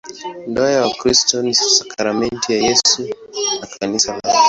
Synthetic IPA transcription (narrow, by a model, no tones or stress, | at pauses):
ndɔajawakɾistɔnisakʰaɾamɛntʰijajɛsunakʰanisala̰